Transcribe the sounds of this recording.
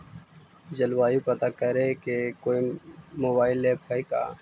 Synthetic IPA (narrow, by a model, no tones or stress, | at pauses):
d͡ʒɐlwaːjupɐt̪akɐɾekekoːimoːbaːɪlːeːpɐika̰ː